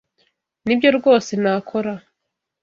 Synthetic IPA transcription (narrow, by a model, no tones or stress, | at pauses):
nibjo̞ɾɡo̞ːse̞naːkʰo̞ɾa